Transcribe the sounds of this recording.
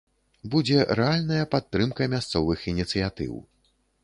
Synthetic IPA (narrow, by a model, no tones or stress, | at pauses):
bud͡zʲɛɾɛalʲnɐjɐpat̪ːɾɨmkɐmʲast̪sɔvɨxinʲit̪sɨjat̪ɨ̰w